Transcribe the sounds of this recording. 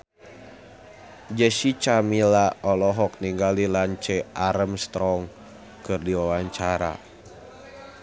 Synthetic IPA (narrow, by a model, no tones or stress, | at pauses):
d͡ʒɛsit͡ʃamilaɔlɔɦɔk̚niŋɡalilaɲt͡ʃɛʔaɾəmst̪ɾɔŋ | kɨrdiwawaɲt͡ʃaɾa̰